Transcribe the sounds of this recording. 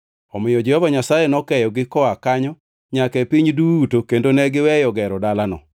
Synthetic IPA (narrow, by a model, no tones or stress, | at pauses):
ɔmɪjɔd͡ʒɛhɔvaɲasajɛnɔkɛjɔɡɪkɔakaɲɔ | ɲakɛpiɲdutokendonɛɡɪwɛjɔɡɛɾɔdalanɔ̰